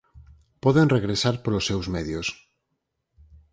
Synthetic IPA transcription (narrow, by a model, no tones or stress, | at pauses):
pɔðenreɣɾesaɾpoɾlosːewzmeðjos